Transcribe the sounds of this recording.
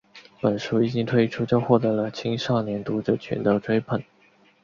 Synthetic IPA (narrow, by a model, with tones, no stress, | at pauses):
pə˨˩nʂu˥i˨˩t͡ɕi˥ŋt̪ʰwe˥ɪʈ͡ʂʰu˥t͡ɕjo˥˧ʊxwɔ˥˩t̪ɤ˧˥lə˧t͡ɕʰi˥ŋʂɑ˥˩ŋnjɛ˧˥nt̪u˧˥ʈ͡ʂɤ˨˩t͡ɕʰɥɛ̰˧˥nd̪ə˥˧˩ʈ͡ʂwe˥ɪpʰə˨˩˦n